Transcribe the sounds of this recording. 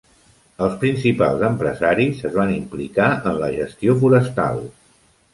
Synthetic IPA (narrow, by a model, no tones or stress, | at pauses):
əlˠspɾinsipa̰lˠzəmpɾə̰zaɾizəzβanimplikaənləʒəst̪iofuɾəst̪a̰lˠ